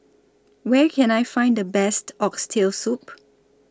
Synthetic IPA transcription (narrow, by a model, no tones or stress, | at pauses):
wɛkʰɛ̃najfãj̃ndəbɛstɔkstʰelsup